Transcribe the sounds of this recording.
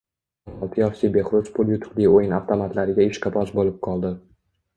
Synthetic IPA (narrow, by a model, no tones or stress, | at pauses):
mɒlˠt̪ʰɪjɒfsibe̞χɾʊzpʰʊlˠjʊt̪ʰʊ̥qliojɪnaft̪ʰomat̪laɾɪɡʲaeʃqʰɑpʰɒsbolɪp̚qʰɒlˠd̪ɪ